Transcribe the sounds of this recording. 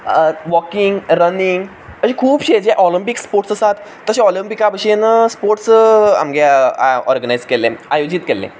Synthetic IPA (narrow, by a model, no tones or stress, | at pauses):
ʋɔkiŋɡɾəniŋɡ | əɕẽkʰuːbɕed͡ʑɛʔɔlimpikspoɾʈsəsat̪ːəɕẽɔlimpikabəɕenəspoɾʈsa̰mɡeɔ̰ɾɡənajd͡zkeleajod͡ʑit̪kelḛ̃